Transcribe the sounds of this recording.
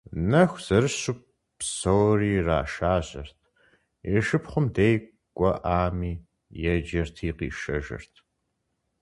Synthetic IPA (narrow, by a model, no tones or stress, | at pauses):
nɐxʷz̥ɐɾɨɕʊp̚ | psoːriːra̰ːʃaːɕʼɐ̰rtʰ | ɛʃɨpχʷʊmdej | ɡʷʼɔʔaːmiː | jɛd͡ʒɐrtʰiːqḭːʃɐ̰ʒɐ̰rtʰ